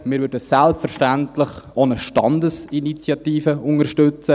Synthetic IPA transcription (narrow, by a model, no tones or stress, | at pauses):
mɪːɾvʏɾdəssɛlpsfəɾʃtæntlɪχonəʃtɑndəsinit͡sjɑt̪iːfəʊŋəɾʃtʏt͡sə